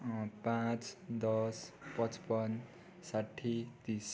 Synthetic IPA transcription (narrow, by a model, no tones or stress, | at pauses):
pãt͡sd̪ʌspʌ̃t͡spʌn | saʈʰːit̪is